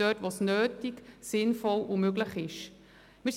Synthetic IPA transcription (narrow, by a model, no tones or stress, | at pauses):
œtʋosnøːtiɡsɪnfɔlʔumøɡləχɪʃ | mɪːɾs